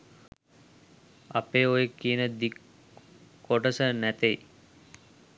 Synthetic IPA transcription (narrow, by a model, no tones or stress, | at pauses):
a̰peːojekːiənəd̪ik | kːoʈəsənæt̪ej